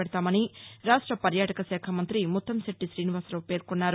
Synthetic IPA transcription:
ɛɽɐt̪aːmɐniɾaːʂʈɾɐpɐɾjaːʈɐkɐsɛːkʰɐmɐnt̪ɾimut̪ʰːɐmseʈːisɾiːniʋaːsloːpe̞ːɾkunːaːɾu

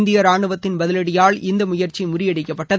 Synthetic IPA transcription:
nd̪ɪjɐɾaːɳɯʋɐt̪ːɪnbɐðɪlɐɽɪjaːɭɪnd̪ɐmʊjɐɾt͡ʃimʊrɪjɐɽɪkːɐpːɐʈːɐð

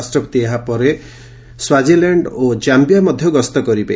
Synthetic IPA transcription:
sʈɾɔpɔ̥t̪ieɦapɔɾe | swad͡ʒilaɳɖod͡ʒambijamɔd̪ʱjɔɡɔst̪ɔkɔɾipa

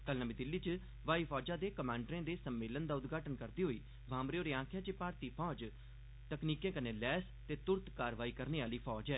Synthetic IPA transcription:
kəlnəbĩːd̪ɪlːiːt͡ʃ | ʋaːiːpʰɔːd͡ʒãːd̪eːkəmãːɳɖɾẽːd̪eːsəmːeːlənd̪aːʊd̪ɡaːʈənkəɾd̪iːɦoːiː | ʋʱãːmɾeːoːɾeːãːkʰjãːt͡ʃepaːɾt̪iːpʰɔːd͡ʒ | t̪əkniːkẽːkənẽːlɛːs | t̪eːt̪ʊɾt̪kaːɾʋaːiːkəɾneːaːliːpʰɔːd͡ʒɛː

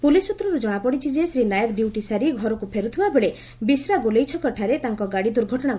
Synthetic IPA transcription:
pulisut̪ɾɔɾud͡ʒɔɽ̃apɔɽit͡ʃʰid͡ʒesɾinajɔkɖjuwʈisaɾiɡʱɔɾɔkupʰeɾut̪ʰibabeɭe | bisɾaɡolejt͡ʃʰɔkɔʈʰaɾet̪aŋkɔɡaɽid̪uɾɡʱɔʈɔɽ̃a

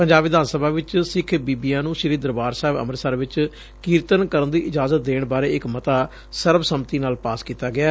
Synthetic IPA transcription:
pəɲd͡ʒaːbʋɪd̪aːnsəbʱaːʋɪt͡ʃsɪkʰbiːbiːãːnũːʃəɾiːd̪ɾəbaːɾsaɦɪbə̰məɾsəɾʋɪt͡ʃ | kiːɾt̪ənkəɾənd̪iːʔɪd͡ʒaːzət̪̚d̪eːɳbaːɾeːɪkmət̪aː | səɾbsəmt̪iːnaːlpaːskiːt̪aːɡɪaː

